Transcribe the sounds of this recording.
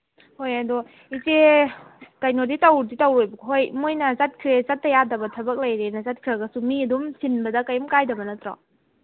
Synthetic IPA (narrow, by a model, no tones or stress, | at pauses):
hojadɔ | ize | kɐjnoditɐwɾditɐwejbɐkɦojmojnɐzɐt̚kʰɾezɐt̚ːɐjadɐbɐtʰɐbɐk̚lɐjɾenɐzɐt̚kʰɾaɡɐsumiɐdumsinbɐdɐkɐjumkajdɐbɐnɐtɾɔ̰